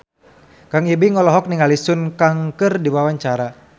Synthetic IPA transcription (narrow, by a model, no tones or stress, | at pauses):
kaŋibiŋɔlɔɦɔk̚niŋalisʊnkaŋkɨrdiwawaɲt͡ʃaɾa